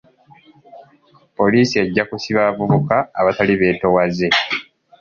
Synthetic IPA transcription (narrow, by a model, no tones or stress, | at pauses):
po̞liːsie̞ɟːakusiβavuβukaːβataliβe̞ːto̞waze̞